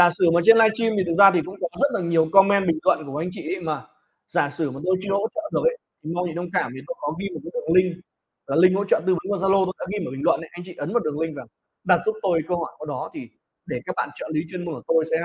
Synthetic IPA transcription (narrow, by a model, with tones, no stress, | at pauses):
zaː˧˩sɨ˧˩maː˨˩t͡ɕe˧nlaː˧jt͡ɕi˧mvi˨˩t̪̚zaː˧t̪ʰi˨˩kʊ̰˧˥ŋ͡mkɔ˨˦zə˦˥t̚laː˨˩ɲi˨˩əwkɔ˧mːɛ˧nɓï˨˩ŋ̟lwə̰˧˨nku˧˩ə˩ʔa˧jŋ̟t͡ɕḭ˧˨ə˧˦jmaː˨˩ | zaː˧˩sɨ˧˩maː˨˩t̪o˧jt͡ɕɨ˧ə˧ho̰˧˥t͡ɕɔ̰ː˧˨ɗɨ˨˩ək̚ʔə̰˧˦jŋma˧wɲḭ˧˥nə˧wŋ͡mkaː˧˩mvi˨˩t̪o˧jkɔ˨˦ɣi˧mo˨˩t̚ːjɗɨ˨˩əŋlï˧ŋ̟ | laː˨˩lï˧ŋ̟ho̰˧˥t͡ɕɔ̰ː˧˨t̪̬ɨ˧˩ɓə˨˦nvaː˨˩zaː˧lo˧t̪o˧jɗa̰ː˧˥ɣi˧mː˨˩ɓi˨˩ŋ̟lwə̰˧˨nʔə̰˧˦jʔa˧jŋ̟t͡ɕḭ˧˨ʔə˨˦nm˨˩t̚ɗɨ˨˩əŋlï˧ŋ̟vaː˨˩ | ɗa˨˩t̚zʊ˦˥k͡p̚t̪o˧jkə˧hɔ˧˩jka˧˩ɗɔ˨˦t̪ʰi˨˩ | ɗe˧˩kaː˦˥k̚ɓa̰ː˧˨t͡ɕə̰ː˧˨li˨˦t͡ɕwi˧nm˧˦nəː˧˨˩t̪o˧jsɛ̰˧˥